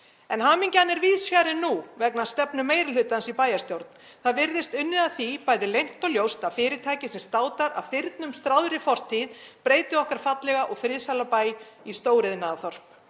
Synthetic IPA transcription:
ɛnɦaːmiɲcanːɛɾviːðsfjaːɾɪnːuvɛknast̪ɛpnʏmeːjɾɪlʏt̪ansipaːjast̪jowɾt̪n | θaðvɪɾðɪst̪ʏnːɪðaðθipaːjðɪlejŋ̥t̪ɔljowst̪afɪːɾɪt̪ʰaːjcɪsɛmst̪aːwt̪aɾa̰ðfɪɾt̪nʏmst̪ɾawðɾɪfɔr̥t̪ʰiðpɾeːjt̪ɪɔhkaɾ̥fat̪lɛɣaʔɔɣfɾɪðsalapaːj | ist̪oːwɾɪðnaːðθɔr̥p

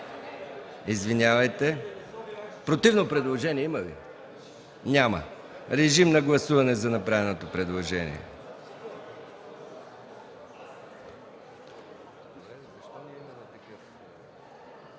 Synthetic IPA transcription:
izvinʲjavɐjt̪ɛ | pɾot̪ivnopɾɛd̪lˠoʒɛniɛimɐvḭ | nʲamə̰ | ɾɛʒimnɐɡlˠɐsuvɐnɛzɐnɐpɾavɛnot̪opɾɛd̪lˠoʒɛnḭɛ̰ | d̪ɾɛzɐʃt̪ɔniimɐmɛt̪ɐkəf

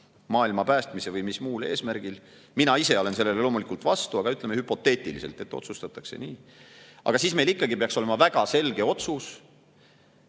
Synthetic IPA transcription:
mɑːilmɑpæːst̪mise̞vɯjmismuːleːsmæɾɡ̥il | minɑise̞o̞le̞nse̞lːe̞lelo̞ːmulikˑult̪vɑst̪uɑɡ̥ɑyt̪ˑle̞mehypo̞t̪ːe̞ːt̪ʲˑilise̞lt̪ˑe̞t̪ːˑot̪sust̪ɑt̪ːˑɑkse̞̰niːʔɑ̰ɡ̥ɑsiːsme̞jlikːˑɑɡipe̞ɑksole̞mɑvæɡ̥ɑse̞lɡ̥e̞o̞t̪sus

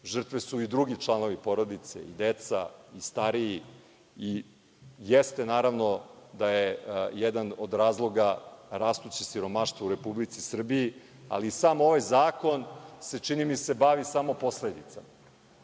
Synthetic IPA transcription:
ʒr̩t̪ʋesuid̪ɾuɡit͡ʃlˠano̞ʋipo̞ɾo̞d̪it̪sḛḭd̪et̪sa̰ist̪aɾiji | i | jest̪e̞naːɾaʋno̞d̪ajejɛd̪anod̪ɾaːzlˠo̞ɡaɾast̪ut͡ɕisiɾo̞maʃt̪vouɾe̞publit̪sisr̩biji | a̰lisaːmo̞ʋajzaːko̞nse̞t͡ʂinimise̞baʋisamo̞po̞sled̪it̪sama

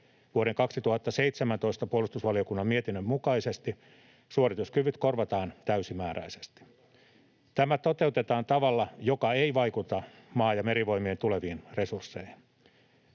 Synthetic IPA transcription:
ʋuoɾeŋkɑksit̪uhɑt̪ːɑse̞it̪semænt̪o̞ist̪ɑpuolust̪usʋɑlio̞kunːɑmmiet̪inːømmukɑisest̪i | suorit̪uskyʋyt̪korʋɑt̪ɑːnt̪æysimæːɾæ̰isest̪i̥ | t̪æmæt̪ot̪e̞ut̪et̪ɑːnt̪ɑʋɑlːɑjokɑeiʋɑikut̪ɑ | mɑːjɑme̞ɾiʋo̞imient̪uleʋiːnre̞sursːeihin

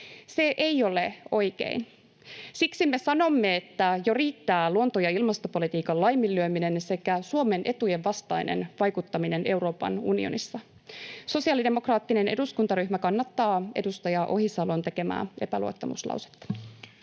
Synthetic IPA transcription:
se̞ʔejo̞le̞o̞jkḛin | siksimːe̞sɑno̞mːe̞ːt̪ːæjoriːt̪ːæːluo̞nt̪ojɑilmɑst̪opo̞lit̪iːkɑllɑjmːilːyømine̞nse̞kæsuome̞nʔe̞t̪ujeʋʋɑst̪ɑjnḛnʋɑjkut̪ːɑmine̞ne̞wɾo̞ːpɑ̰nṵnio̰nisːɑ | so̞siɑlide̞mo̞krɑːt̪ːine̞ne̞duskunt̪ɑɾyhmækɑnːɑt̪ːɑːe̞dust̪ɑjɑʔo̞ɦisɑlont̪e̞ke̞mæ̰ːʔe̞pælṵot̪ːɑmṵslɑ̰wse̥t̪ːɑ̥

